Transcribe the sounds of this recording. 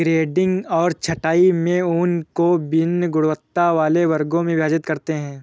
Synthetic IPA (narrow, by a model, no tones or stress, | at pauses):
ɡɾeːɖɪ̃ŋɡɔːɾt͡ʃʰɐʈaːimẽuːnkobɪnːɡʊɽʋət̪ːaʋaːleʋɐɾɡõmẽʋjaːd͡ʒɪt̪kɐɾt̪eɦɛ̃ː